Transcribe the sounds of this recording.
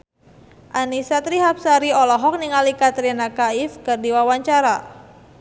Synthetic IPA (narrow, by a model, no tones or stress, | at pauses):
ʔanisat̪ɾiɦapsaɾiɔlɔɦɔk̚niŋalikat̪ɾinakaɪfkɨrdiwawaɲt͡ʃaɾa